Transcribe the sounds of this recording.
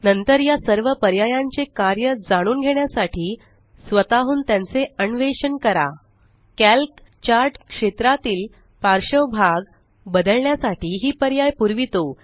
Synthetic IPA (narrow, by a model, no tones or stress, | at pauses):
nənt̪əɾjasəɾʋəpəɾjajãɲt͡sekaɾjəd͡zaɽ̃uːnɡʱeɳjasaʈʰiː | sʋət̪aɦuːnt̪jãnt͡seəɳʋeɕənkəɾa̰ | kælk | t͡ɕaɾʈkʂet̪ɾat̪iːl | paɾɕəwbʱaɡ | bəd̪əɭɳjasaʈiːɦiːpəɾjajpuɾʋit̪o